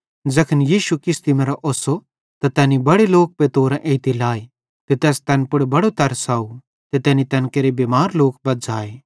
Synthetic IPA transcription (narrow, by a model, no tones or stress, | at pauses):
d͡ʒɐkʰənjiːʃukɪst̪imɛ̃ɾɐʔoːso | t̪at̪ɛːnibɐɽeloːk̚pet̪oːɾɛ̃ʔeːt̪ilaːe | t̪et̪ɛːst̪ɛːnpʊɽbɐɽot̪ɐɾsaːu | t̪et̪ɛːnit̪ɛːnkeːɾebeːmaːɾloːk̚bɐt̪d͡ʒaːeː